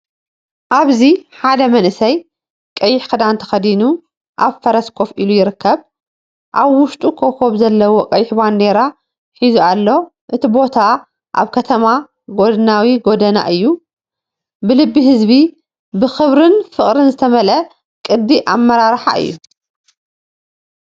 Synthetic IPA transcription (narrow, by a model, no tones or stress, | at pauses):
ʔaβziħad̪ɐmɐnʔɨsɐj | kʼɐjːɪħkʰɨd̪ant̪ʰɐ̥xɐd̪inu | ʔaβfɐɾɐskʰo̞filujɪɾɨkʰːɐβ | ʔaβwʊʃt̪ʼukʰokʰo̞βzɐlːɐwokʼɐjːɪħband̪e̞ɾa | ħizualːo̞ | ʔɨt̪ʰibo̞t̪ʰa | ʔa̰βkʰɐt̪ʰɐma | ɡo̞d̪ɨnawiɡo̞d̪ɐna̰ʔɨjːu | bɨlɨbːiɦɨzbi | bɨxɨβɾɨnfɨχʼɾɨnzɨt̪ʰɐmɐlɐ | kʼɨd̪ːiʔamːɐɾaɾħa̰ʔɨ̰jːṵ